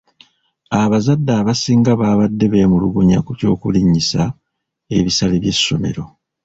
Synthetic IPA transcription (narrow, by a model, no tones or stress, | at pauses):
aβazadːaːβasiːŋɡaβaːβadːe̞βe̞ːmuluɡuɲakuco̞ːkuliɲisa | e̞βisaleβje̞sːo̞me̞̰ɾo̞